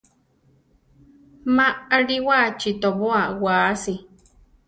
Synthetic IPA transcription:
maaɾiwat͡ʃit̪oβoawaːsi

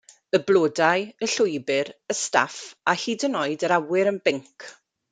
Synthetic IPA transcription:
əblˠoːdajəɬʊjbɨɾəsta̰fahiːdənɔɨdəɾawɪɾənbɪŋkʰ

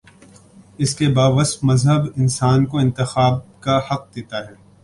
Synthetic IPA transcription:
ɪskebaːʋɐsfmɐzɦəbɪnsaːnkoɪ̃nt̪ɪxaːb̚kahɐq̚d̪eːt̪aɦɛː

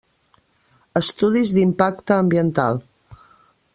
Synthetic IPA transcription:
əst̪uðizðimpakt̪əːmbiənt̪a̰lˠ

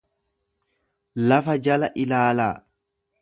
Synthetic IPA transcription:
lɐfɐd͡ʒɐlɐʔɪlaːlaː

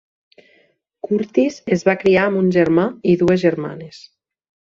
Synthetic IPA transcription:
kuɾt̪izezβakɾiaəmbunʲʒeɾmaiðuezʒeɾma̰nes

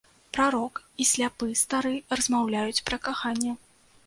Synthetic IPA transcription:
pɾaɾɔkisʲlʲapɨst̪aɾɨrɐzmawlʲajut͡sʲpɾɐkaxanʲːɛ

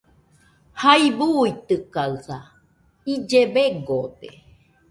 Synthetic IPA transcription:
haibuːit̪ɨkaɨθa | id͡ʒeβeɡod̪ḛ

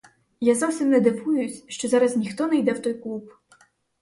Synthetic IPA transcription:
jazɔwsʲimnɛd̪ɪʋujʊsʲʃt͡ʃɔzaɾɐznʲixt̪ɔnɛjd̪ɛwt̪ɔjklˠup

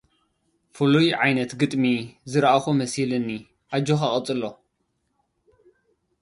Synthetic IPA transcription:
fɨlujʕajnɐt̪ɡɨt̪ʼmizɨɾʔaxumɐsilɨnːi | ʔad͡ʒoxaχʼɨt͡sʼɨlːo

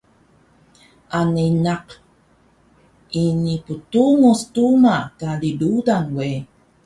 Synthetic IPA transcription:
ʔaninaq | iniputuŋustumakalidudanwe

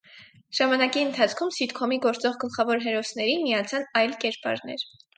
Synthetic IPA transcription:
ʒ̥ɑmɑnɑkiənt̪ʰɑt͡sʰkʰumsit̪kʰɔmiɡɔɾt͡sɔʁɡəlχɑvɔɾɦɛɾɔsnɛɾimijɑt͡sʰɑnɑjlkɛɾpɑ̰ɾnɛ̰ɾ

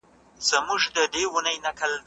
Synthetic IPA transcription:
z̥əmuʒd̪əd̪ewʊnəjnakəl

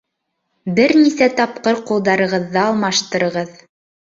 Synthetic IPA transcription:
bɘɾnisæt̪ɑp̚qɤɾqulˠd̪ɑɾɤ̆ʁɤ̆ðːɑɑlˠmɑʃt̪ɤ̆ɾɤ̆ʁɤð

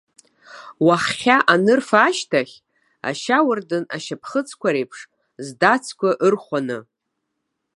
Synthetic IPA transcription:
waχːʲaʔanɨrfaːʃtʰaχʲ | a̰ʃawɨrdɨnaʃapʰχət͡sʰkʷaɾejpʰʂ | zdat͡sʰkʷaʔɨrχʷanɨ

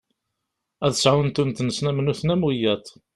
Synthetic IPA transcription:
æðəsʕant̪unt̪nəsnæmnuθnæmujæt̪

